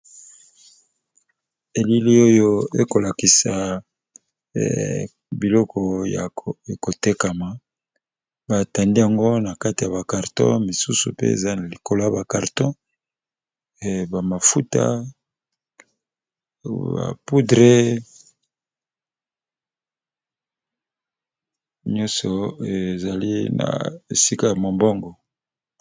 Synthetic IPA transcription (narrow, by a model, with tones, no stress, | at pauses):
e˨li˦li˦o˦jo˦ḛ˦ko˨la˨ki˨sa˨ | bi˨lɔ˦kʰɔ˨a̰˨ko˨te˦ka˨ma˨ | ba˨ta˨ndi˦a˨ŋɡo˦na˨ka˦ti˨ja˨ba˨ka˨ʁtɔ̰̃˦mi˨su˦sṵ˨pḛ˦ḛ˨za˦na˨li˨ko˨la˦ba˨ka˨ʁtɔ̃˦˨ | ba˨ma˨fu˦ta̰˦ | ba̰˨pu˦dʁe˦ | ɲɔ̃˦sɔ˨e˨za˨li˦na̰˨e˨si˦ka˦˨ja˨mo˨mbɔ˦ŋɡɔ˨